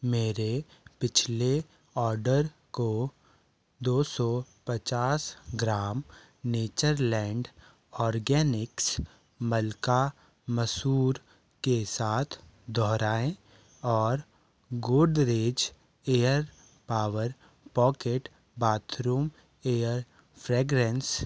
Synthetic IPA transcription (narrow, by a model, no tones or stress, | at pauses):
meːɾepɪt͡ʃʰle | ɔːɾɖəɾ | ko | d̪oːsɔpət͡ʃaːsɡɾaːm | neːt͡ʃəɾlɛ̃ːɳɖ | ɔːɾɡɛːnɪks | məlka | məsuːɾ | kesaːt̪ʰ | d̪ɔɦɾaːẽ | ɔːɾ | ɡʊɖɾeːd͡ʒ | eːjəɾ | paːwəɾ | pɔːkeːʈ | baːt̪ʰɾuːm | eːəɾ | pʰɾeːɡɾɛ̃ns